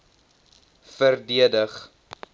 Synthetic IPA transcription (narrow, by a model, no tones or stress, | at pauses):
fərdiədəχ